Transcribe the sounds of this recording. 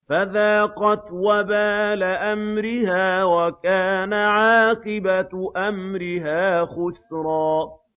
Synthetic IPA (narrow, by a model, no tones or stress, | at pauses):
faðaːqɑt̪wabaːlaʔamɾɪhaːwakaːnaʕaːqɨbaʔamɾɪɦaːxʊsɾˤɑː